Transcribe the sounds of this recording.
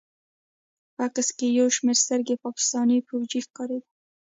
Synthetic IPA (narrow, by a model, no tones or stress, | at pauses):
pəakaskejawʃmeɾst̪əɾɡepɑkɪ̥st̪ɑnijpowd͡ʒixkɑɾed̪i